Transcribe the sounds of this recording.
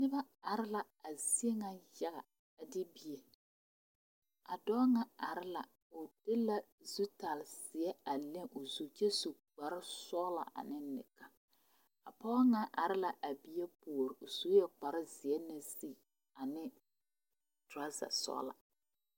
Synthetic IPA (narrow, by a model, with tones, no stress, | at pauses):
nɪ˦ba˦a˨ɾɪ˦la˨ | a˨zi˦e˦ŋa˨ja˦ɣa˨ | a˨dɪ˦bi˨e˨ | a˨dɔː˦ŋa˦a˨ɾɪ˦la̰˨ | ʊ˨d̥ɪ˦la˨ | zu˦ta˨lsɪ˨ɛ˦a˨le˦ŋʔʊ˨zu˨t͡ʃɛ˦su˨ | k͡pa˨ɾɪ˦sɔː˦la̰˨ʔa̰˨nɪ˦nɪ̰˨ka˦ | a˨pɔ˦a˦ŋa˨ʔa˨ɾɪ˦la˨ʔa˨bi˦je˦po˨ɾɪ˨ʊ˨z̥u˦jɛ˨k͡pa˨ɾɪ˦zɪ˨ɛ˦na˦si˦˨ | a˨nɪ˦ | ta˦za̰˨sɔ̰ː˦la̰˨